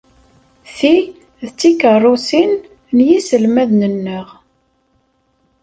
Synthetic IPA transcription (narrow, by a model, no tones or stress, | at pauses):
θi | ðət͡sːikərˤːʊsin | njisəlmæðnənːəʁ